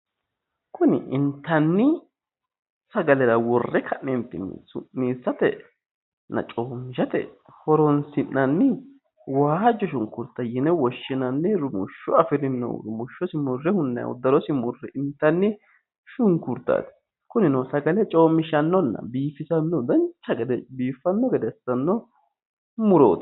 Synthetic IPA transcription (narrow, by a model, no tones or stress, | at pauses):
kʊnɪ̰ʔɪnt̪ːɐnːɪ | sɐɡɐlɛɾɐwɔrːɛkʰɐʔnɛnt̪ɪmḭːsʊ̰miːsːɐt̪ɛ̰ | nːɐ̰t͡ʃʼoːmːɪʃɐt̪ɛ̰ | hɔɾɔnsɪnːɐnːɪ | waːd͡ʒːɔʃʊŋkʊɾt̪ːɐjɪnɛwɔʃːɪnɐnːɛɾʊmʊʃːʊɐfɪd̪ɪnːɛ̰wɾʊmʊʃːɔsɪmʊrːɛhʊnːɐ̰j̰ʊ̰d̪ːɐɾɔsɪmʊrːɛʔɪnt̪ːɐnːɪ | ʃʊŋkʊɾt̪ːa̰t̪ | kʊnɪnɔwsɐɡɐlɛt͡ʃʼo̞ːmːɪʃɐnːɔnːɐ̰biːfɪsɐnːɔd̪ɐnt͡ʃːɐɡɛd̪ɛbiːfːɐnːɔɡɛd̪ɛsːɐnːɔ | mʊɾo̰ːt̪